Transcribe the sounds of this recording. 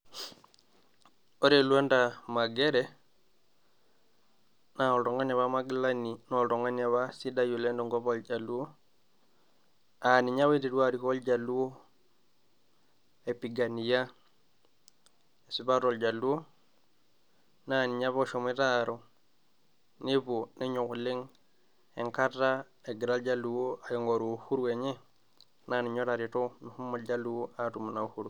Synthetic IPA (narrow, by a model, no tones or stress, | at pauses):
oɾelwandamaɡɛɾɛ | naɔltɔŋanaβamaɡilaninɔltɔŋanjaβasidajolɛndɔŋɡɔpɔld͡ʒaluo | aniɲaβeteɾuaɾikɔld͡ʒaluo | epiɡanija | esibaɾɔld͡ʒalːuwo | naniɲaβoʃomitaɾo | neboneɲukuliŋ | eŋkatːa | eɡiɾald͡ʒalːuwoajɔŋɡoɾuhuɾuweɲe | naniɲɔɾaɾitomihumːold͡ʒalːuwoatumunahuɾu